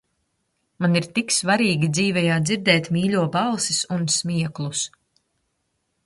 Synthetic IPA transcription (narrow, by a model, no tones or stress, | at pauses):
maniɾt̪iksvaɾiːɡʲid̪ziːvɛjaːd̪ziɾd̪ɛːt̪mʲiːlʲuɔbɑlˠsisunsmʲiɛklˠus